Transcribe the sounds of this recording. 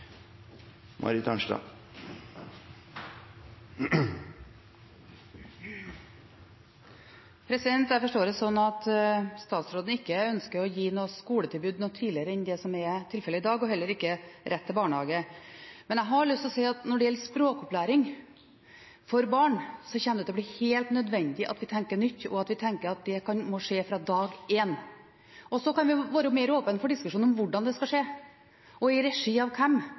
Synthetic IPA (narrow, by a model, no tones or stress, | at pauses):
mʔɑ̰ɾɪt̪ʰɑnʂʈɑ̰ | pʰɾɛsɪd̪ɛnt̪æɾfɔʂʈoːɾəsɔnːɑt̪st̪ɑːt̪sɾoːd̪n̩ɪkːəœnskəɾɔjiːnoːskuːlət̪ʰɪlbʉːd̪nɔt̪ʰiːlɪəɾəɛnd̪ɛsɔmɛt̪ʰɪlfɛləɪd̪ɑːɡɔɦɛlːəɾɪkːəɾʔɛt̪ʰːɪlbɑːɳəhɑːɡəmɛnɛɦɑɭʏst̪ɔsɛɪɑt̪nɔɖɛjɛlːəspɾoːkɔplæːɾɪŋ | fɔɾbɑːɳsɔçɛnːəd̪d̪ɛb̪lɪheːlt̪nœd̪ʋɛnd̪ɪʔɑ̰t̪ʋɪt̪ʰɛŋkəɳʏt̪ːɔ̰ɑt̪ʋɪt̪ʰɛŋkəɾɑt̪̚d̪ɛkʰɑnmɔʂeːfɾɑd̪ɑːɡeːn | ʔɔsɔkɑnʋɪʋɑːɾəmeːɾoːpənfɔɖɪskʉʂuːnɔmʋʊɖɑnd̪ɛskɑʂeː | ʔɔɪɾɛʂiːɑʋkʰɛm